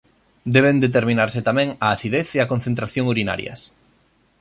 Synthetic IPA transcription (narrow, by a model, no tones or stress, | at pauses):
d̪ɛβ̞end̪et̪̬eɾmĩnaɾsɪt̪amɛ̃ŋaːθiðeθeɐkonθẽnt̪ɾaθjoŋuɾina̰ɾj̰ɐ̰s